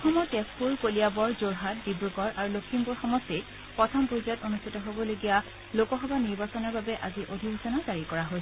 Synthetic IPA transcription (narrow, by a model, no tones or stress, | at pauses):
ɔxɔmɔtɛspuɹkoliabɔɹzoɹɦat̚dibɹuɡɔɹʔaɹulokʰimbuɹxɔmɔstit̚ | pɔtʰɔmpuzɔtonustʰitɔɦobɔloɡija | lokɔxɔbaniɹbasɔnɔɹbabɛʔaziʔodʱibʱusɔnazaɹikɔɹaɦojsɛ